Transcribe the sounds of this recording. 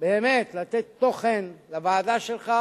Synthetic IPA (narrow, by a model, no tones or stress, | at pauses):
beːmet̪lat̪et̪ːo̞χenlavaːd̪aʃelχa